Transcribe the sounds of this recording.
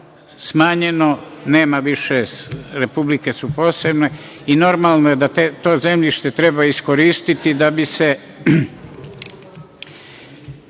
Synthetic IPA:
smaːɲe̞no̞ne̞ːmaʋiʃeɾepublike̞supo̞ːsebne̞ | ino̞ɾmaːlˠnoje̞d̪at̪et̪o̞ːze̞mʎiʃt̪e̞t̪ɾe̞baisko̞ɾiːst̪it̪id̪abise̞

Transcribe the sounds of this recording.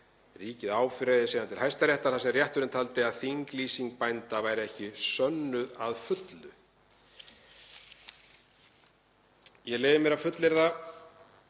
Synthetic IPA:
riːcɪðaːwfɾɛjðɪsiːðant̪ʰɪlhajst̪aɾjɛht̪aθasɛrjɛht̪ʏɾɪnt̪ʰalt̪ɪaðθiŋkliːsiŋkpajnt̪avaːjɾɪɛhcɪsœnːʏðaðfʏt̪lʏ | jɛɣleːjvɪmjɛɾafʏt̪lɪɾða

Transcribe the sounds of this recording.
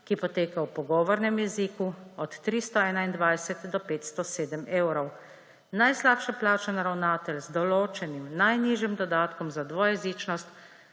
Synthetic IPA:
kipɔt̪eːkawpɔɡɔːʋɔɾnɛmjɛziːkuɔt̪ːɾist̪ɔɛːnaind̪ʋajsɛt̪d̪ɔpeːt̪st̪ɔseːd̪əmeːwɾɔw | najslaːpʃɛplaːt͡ʃɛnaɾawnaːt̪ɛlzd̪ɔloːt͡ʃɛnimnajniːʒjimd̪ɔd̪aːt̪kɔmzad̪ʋɔjɛziːt͡ʃnɔst̪

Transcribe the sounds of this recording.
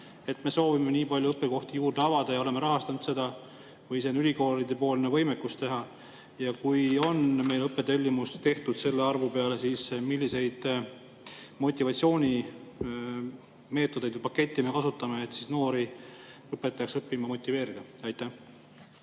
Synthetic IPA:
e̞t̪me̞so̞ːvime̞niːpɑlʲjupːˑeko̞ht̪ijuːrd̪̥e̞ɑvɑd̪̥ɑjɑo̞le̞meɾɑɦɑst̪ɑnud̪̥se̞d̪̥ɑ | vɤjs̬enylʲiko̞ːlid̪e̞po̞ːlnevɤ̞jmekːust̪e̞ɦɑ | jɑkujo̞nme̞jlɤpːˑet̪elʲːimust̪e̞ht̪ud̪̥se̞lːe̞ɑrvupe̞ɑle̞siːsmilːise̞jd̪̥ | mo̞t̪ʲːˑivɑt̪sio̞ːnʲi | me̞ːt̪ːˑod̪e̞jd̪pɑkːe̞t̪ʲːime̞kɑsut̪ːˑɑmeːt̪ːsisno̞ːɾi | ɤpːˑet̪̚pːjɑksɤpːimɑmo̞t̪ʲːˑive̞ːɾid̪̥ɑ | ɑjt̪ːˑæh

